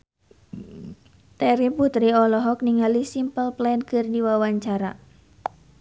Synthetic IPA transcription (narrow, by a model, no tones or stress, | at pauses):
t̪ɛɾiput̪ɾiɔlɔɦɔk̚niŋalisimpəlplɛnkɨrdiwawaɲt͡ʃaɾa